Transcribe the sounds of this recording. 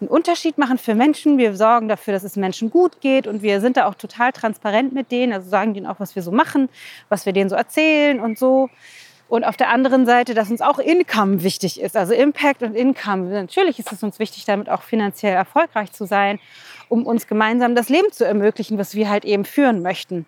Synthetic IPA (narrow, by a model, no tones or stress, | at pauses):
nʔʊntɐʃiːtmaχn̩fyːɐmɛnʃn̩viːɐzɔɐɡŋ̩dafyːɐɾasɛsmɛnʃn̩ɡuːtɡ̥eːtʊntv̥iːɐzɪntd̥aːaʊxtʰotʰaːltʁ̥anspaʁɛntmɪt̚d̥eːnənʔalzozaːɡŋ̩diːnʔa̰ʊxv̥asv̥iːɐzoːmaχn̩vasv̥iːɐdeːnzoːʔɛɐt͡sɛːlənʊntz̥oː | ʔʊntʔaʊfd̥eːɐʔandəʁənzaɪtədas̬ʊnsaʊxʔɪnkʰamvɪçtɪçɪstʔalzoʔɪmpʰɛk̚tʊntʔɪnkʰamnatʰyːɐlɪçɪstɛsʊnsv̥ɪçtɪçd̥amɪta̰ʊxfinant͡sjɛlɛɐfɔlkʁ̥aɪçt͡suzaɪnʔʊmʔʊnsɡ̥əmaɪnzaːmdasleːbm̩t͡suɛɐmøːklɪçn̩vasv̥iːɐɦaltʔeːbm̩fyːʁənmœçtn̩